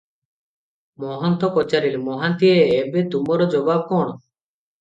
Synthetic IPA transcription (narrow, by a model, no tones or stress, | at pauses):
mɔɦɔnt̪ɔpɔt͡ʃaɾilmɔɦant̪ieːbet̪umɔɾɔd͡ʒɔbab̚kɔɳ̃ɔ